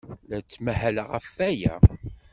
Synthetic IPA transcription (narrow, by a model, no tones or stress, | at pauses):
læt͡sːmæhæləʁəfːæjæ̰